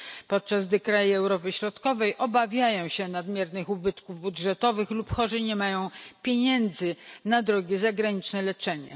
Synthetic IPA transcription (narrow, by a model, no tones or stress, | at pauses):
pɔt̪̚t͡ʂazd̪ɛkɾajiɛwɾɔpɘɕɾɔt̪kɔvɛjʔɔbavʲjajɔ̃w̃ɕɛnad̪mʲjɛɾnɘxubɘt̪kuvbudʐɛt̪ɔvɘxlupxɔʐɘɲɛmajɔ̃w̃pʲjeɲɛnd̪zɘnad̪ɾɔɡʲɛzaɡɾaɲit͡ʂnɛlɛt͡ʂɛɲɛ̰